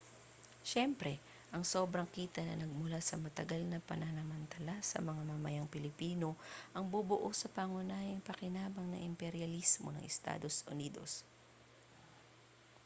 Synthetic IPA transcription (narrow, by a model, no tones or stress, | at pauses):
ʃɛmpɾɛ | ʔɐŋso̞ːbɾɐŋkiːt̪ɐnɐnɐɡ̚mʊlasɐmɐt̪ɐɡalnɐpɐ̰nanɐmɐnt̪ɐlasɐ̰mɐŋamamɐjaŋpɪlɪpiːno̞ʔɐŋbubʊʔosɐpɐŋʊnaːjɐŋpɐkɪnaːbɐŋnɐ̰ʔɪmpɛɾjɐlismo̰nɐ̰ŋʔɛst̪a̰ːd̪o̞sʔʊ̰niːd̪o̞̰s